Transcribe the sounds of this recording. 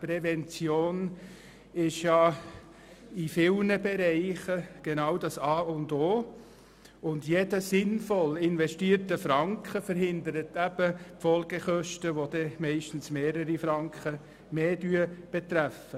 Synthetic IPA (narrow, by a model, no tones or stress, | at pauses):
pɾɛvɛnt͡sjoːn | ɪʃjɑ | ifɪlnəbeɾɛɪχəɡ̥enɑwdɑsɑːʊndoː | ʊndjedəsɪnfɔlɪnvɛʃtiːəɾtəfɾɑŋkχəfəɾɦɪndəɾətæb̥əpfɔlɡ̥eχœʃtəʋodɛmɛɪʃtn̩smeːɾəɾifɾɑŋkχə | meːdyːəb̥et̪ɾæfə